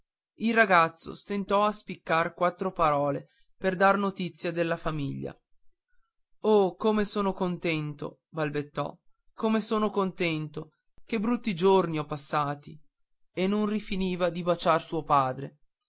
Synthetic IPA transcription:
ilrːaɡat̪sːo̰st̪ent̪ɔaspikːarkwat̪ːɾopaɾɔːle | perd̪arnot̪it̪sːjad̪elːafamiʎːa̰ | okomesoːnokont̪ɛnt̪o̰ | balbet̪ːɔ̰ | komesoːnokont̪ɛnt̪o | kebɾut̪ːid͡ʒorniɔpːasːaːt̪i | enːonrifiniːvad̪ibat͡ʃarsuopaːd̪ɾe

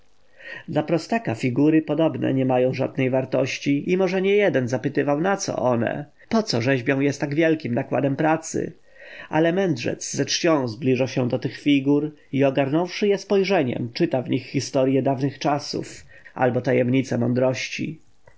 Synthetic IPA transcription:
d̪lapɾɔst̪akafʲiɡuɾɘpɔd̪ɔbnɛ̰ɲɛmajɔ̃w̃ʐa̰d̪̚nɛjvaɾt̪ɔɕt͡ɕiʔimɔʐɛɲɛjɛd̪ɛnzapɘt̪ɘvawnat̪sɔ̰ʔɔnɛ̰ | pɔt̪sɔʐɛʑbʲjɔ̃w̃jɛst̪aɡvʲjɛlkʲimnakwa̰d̪ɛmpɾat̪sɘ̰ | ʔa̰lɛmɛnd̪ʐɛ̰t̪sːɛt͡ʂt͡ɕɔ̃w̃zblʲiʐaɕɛd̪ɔt̪ɘxfʲiɡuɾ | iɔɡaɾnɔ̃w̃ʂɘjɛspɔjʐɛɲɛ̰mt͡ʂɘt̪avɲixːist̪ɔɾjɛd̪avnɘxt͡ʂasṵf | ʔa̰lbɔt̪ajɛmɲit̪sɛmɔnd̪ɾɔɕt͡ɕḭ

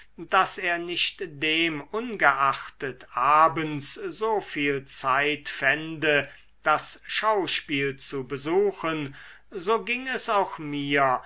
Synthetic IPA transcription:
d̥aseːɐnɪʃtd̥eːmʊnɡəʔaxtətʔaːbənszoːfiːlt͡saɪtfɛndə | d̥asʃaʊʃpiːlt͡subəzuːxən | zoːɡɪŋɛsaʊxmiːɐ

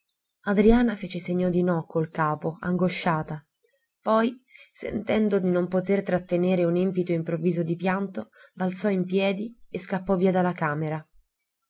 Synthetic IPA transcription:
ad̪ɾiaːnafeːt͡ʃeseɲːod̪inɔkːolkaːpoa̰ŋɡoʃːaːt̪a | pɔjsḛnt̪ɛnd̪od̪inompot̪ert̪ɾat̪ːeneːɾeunimpit̪oimpɾovːiːzod̪ipjant̪obalt̪sɔimpjɛːd̪ieskapːɔviːad̪alːakaːmeɾa

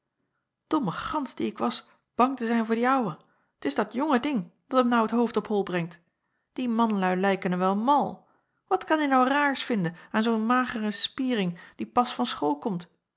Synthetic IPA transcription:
d̥ɔməχɑnsdiɪkʋɑs | b̥ɑŋtəzɛjnvʊːɹdiɑwə | ətɪzdɑtjɔŋədɪŋd̥ɑtəmnʌwətɦowftɔpɦɔlˠbrɛŋt | d̥imɑnlœɥlɛjkənəʋɛlˠmɑlˠ | ʋɑtkɑnynɑwraːɹsfɪndənaːnzonmaːχərəspiːrɪŋd̥ipɑsfɑnsχoːlˠkɔmt

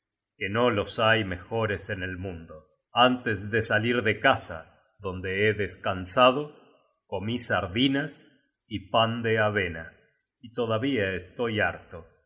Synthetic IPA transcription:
keno̞lo̞sajme̞xo̞ɾesenelmũnd̪o | ant̪ezðesaliɾðekasa̰ | ðo̞nd̪eeðeskansaðo | ko̞misaɾðinas | ipand̪eaβena | it̪o̞ðaβiaest̪o̞jaɾt̪o

